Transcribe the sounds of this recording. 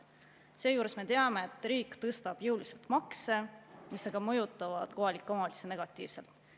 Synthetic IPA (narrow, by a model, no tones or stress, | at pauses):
se̞ːjuːɾe̞sme̞t̪eɑme̞et̪ːˑɾiːkːt̪ɤst̪ɑb̥jɯwlise̞lt̪mɑkse̞miseɡ̥ɑmɤjut̪ːˑɑvɑd̪̥ko̞hɑlikːˑomɑli̥sene̞ɡ̥ɑt̪ˑːḭːvse̞lt̪ˑ